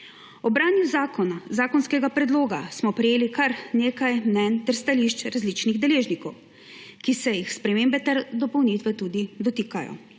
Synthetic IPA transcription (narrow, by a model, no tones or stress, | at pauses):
ɔbɾaːnjuzaːkʰɔnazaːkɔnskɛɡapɾɛd̪loːɡasmɔpɾɛjeːlikaɾneːkajmnɛnt̪ɛɾst̪aliʃt͡ʃɾazlit͡ʃniɣd̪ɛleːʒnikɔw | kisɛjixspɾɛmeːmbɛt̪ɛɾd̪ɔpɔwnit̪ʋɛt̪uːd̪id̪ɔt̪ikajɔ̰